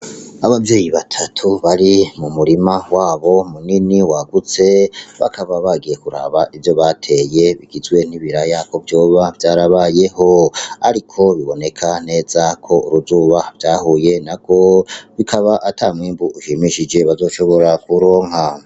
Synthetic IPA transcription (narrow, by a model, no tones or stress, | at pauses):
aβabje̞ːjiβatʰatʰuβaɾimumuɾimawaːβo̞muniniwaɡut͡se̞βa̰kʰaβaβaɡije̞kuɾa̰βaʔivjo̞βatʰe̞ːje̞βiɡizɡwe̞n̥iβiɾajako̞vjo̞ːβavjaːɾaβaːje̞ɦo̞a̰ɾikʰo̞βiβo̞ne̞kʰane̞ːzakʰo̞ṵɾuzuːβavjaːhuje̞nakʰo̞βikʰaβaʔatʰamŋiːmbuuʃimiʃid͡ʒe̞βazo̞ːʃo̞βo̞ɾakuɾo̞ːŋ̥ɦa